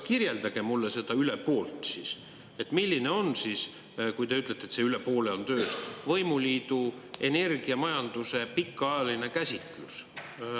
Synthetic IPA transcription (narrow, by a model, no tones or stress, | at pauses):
kirje̞ld̪̥ɑɡ̥e̞mulːese̞d̪̥ɑyle̞po̞ːlt̪ˑsis | e̞t̪ːˑmilʲːine̞onsiːs | kujt̪e̞yt̪ˑlet̪ːet̪se̞yle̞po̞ːle̞o̞nt̪ø̞ːsvɤjmuliːd̪u | e̞ne̞rɡ̥iɑmɑjɑnd̪̥use̞pikːˑɑjɑline̞kæsʲit̪ˑlus